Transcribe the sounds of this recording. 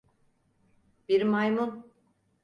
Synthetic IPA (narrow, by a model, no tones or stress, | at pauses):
b̥iɾmajmun